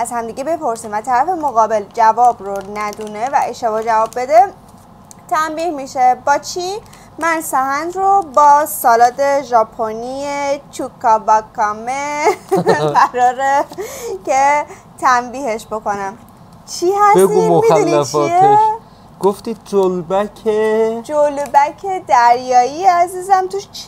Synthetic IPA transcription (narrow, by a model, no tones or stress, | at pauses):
æzhæmd̪iːɡebe̞pʰo̞ɾsiːmvæt̪ʰæɾæfe̞moɣɒːbe̞ld͡ʒævɒːbronæd̪une̞væeʃt̪ebɒːd͡ʒævɒːbːe̞d̪e | t̪ʰæmbiːhmiʃe̞bɒːt͡ʃʰi | mænsæhænd̪ɾobɒːsɒːlɒːd̪eʒɒpʰoniet͡ʃʰukʰːɒbɒkʰːɒme | ɢæɾɒːɾece | t̪ʰæmbiːhe̞ʃbo̞ko̞næm | t͡ʃʰihæsbeɡ̪umomid̪ulniæft͡ʃie | ɡ̥oft̪iːd̪̚d͡ʒolbækʰed͡ʒolbæcʰe̞d̪æɾjɒːieæziːzæmt̪ʰuʃ